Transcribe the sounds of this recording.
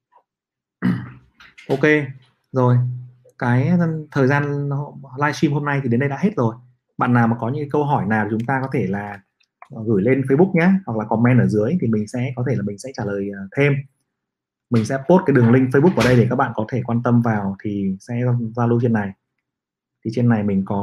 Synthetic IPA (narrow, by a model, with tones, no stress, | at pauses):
ʔo˧ke˧ | zo˨˩j | kaː˨˦jt̪ʰəː˨˩jzaː˧nlaː˧jsi˧mɦo˧mna˧jt̪ʰi˨˩ɗe˨˦nɗə˧jɗa̰ː˧˥he˦˥t̚zo˨˩j | ɓa̰ː˧˨nːaː˨˩wmaː˨˩kɔ˨˦ɲɨ̰˧˥kaː˨˦kə˧wɦɔ˧˩jnaː˨˩w̪ʰt͡ɕʊ˨˦ŋ͡mt̪aː˧kɔ˨˦t̪ʰe˧˩laː˨˩˨ | ɣɨ˧˩jle˧nfə˧jɓʊ˦˥k̚ɲaː˧˦hwa˨˩k̚laː˨˩kɔ˧˩mːɛ˧nʔəː˧˩zɨ˨˦əjt̪ʰi˨˩mï˨˩ŋ̟sɛ̰˧˥kɔ˨˦t̪ʰe˧˩laː˨˩mï˨˩ŋsɛ̰˧˥t͡ɕaː˧˩ləː˨˩jəː˨˩t̪ʰe˧m | mï˨˩ŋ̟sɛ̰˧˥po˦˥t̚ka˨˦jɗɨ˨˩əŋlï˧ŋ̟fə˧jɓu˦˥k̚ːʔːɗə˧jɗe˧˩kaː˦˥k̚ɓa̰ː˧˨kɔ˨˦t̪ʰe˧˩kwaː˧nt̪ə˧mvaː˨˩wt̪ʰi˨˩sɛ̰˧˥˧zaː˧lu˧t͡ɕi˧˨nːa˨˩j | t̪ʰi˨˩t͡ɕi˧˨nːa˨˩jmï˨˩ŋ̟kɔ˨˦